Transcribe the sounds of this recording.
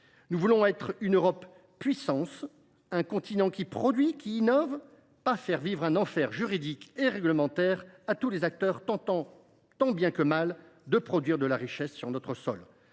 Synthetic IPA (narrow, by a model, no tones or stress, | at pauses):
nuvulɔ̃ɛt̪χynøʁɔp | pɥisɑ̃s | ɛ̃kɔ̃t̪inɑ̃kʲipχɔd̪ɥikʲiːnɔv | pafɛʁvivʁɛ̃nɑ̃fɛʁʒyʁid̪ikeʁɛɡləmɑ̃t̪ɛʁat̪ulezak̚t̪œʁt̪ɑ̃t̪ɑ̃ | t̪ɑ̃bjɛ̃kəmal | d̪əpχɔd̪ɥiʁd̪əlaʁiʃɛsːyʁnɔt̪χəsɔ̰l